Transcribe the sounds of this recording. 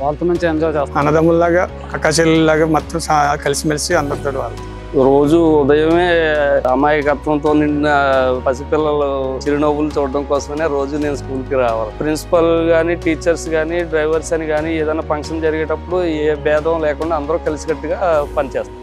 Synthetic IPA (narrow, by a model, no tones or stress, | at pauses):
ʋaːɭɐt̪oːmɐɲt͡ʃiɐnd͡ʒoːt͡ʃeːst̪ɐnɐd̪ɐmːullaːɡaː | ɐkaːʃ̬ellaːɡaːmɐt̪ːɐmɐkɐlisimɐlisiɐnd̪ɐɾt̪oːʈɐʋaːɾɐt̪ɐ | ɾo̞ːd͡ʒuːd̪ɐjɐmeːɐmaːjɐkɐt̪ʋɐnt̪o̞ːniɳɖinɐpɐsipilːɐlut͡ʃiɾino̞ːbulut͡ʃuːɽɐɽɐŋkɔːsɐmɐneːɾo̞ːd͡ʒune̞ːnuskuːlkiɾaːʋaːlupɾinsi̥pɐlɡaːniʈiːt͡ʃːɐɾsɡaːniɖɾɐjʋɐɾsɐniɡaːnieːd̪ɐjnaːpɐŋkʂɐnd͡ʒɐɾiɡeːʈɐpːuɽueːbɛːd̪ʱɐ̃mlɛːkuɳɖaːnd̪ɐɾuːkɐlisikɐʈːuɡaːpɐnit͡ʃeːst̪aː